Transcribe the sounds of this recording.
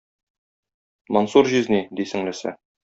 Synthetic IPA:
monsuɾʑiznid̪isɘ̆ŋlɘ̆sæ̰

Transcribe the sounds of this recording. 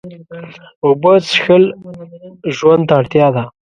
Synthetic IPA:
obət͡sxəl | ʒwand̪aːɽt̪jɑd̪a

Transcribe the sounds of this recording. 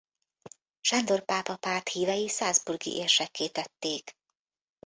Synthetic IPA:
ʃand̪o̞rpaːpɒpaːt̪hiːvɛjisaːzburɡḭʔeːrʃɛkːeːt̪ɛt̪ːeːk

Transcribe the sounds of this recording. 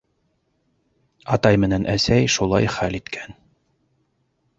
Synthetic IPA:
ɑt̪ɑjmɘ̆nænʔæsæjʃulˠɑ̰jχælit̪kʰæn

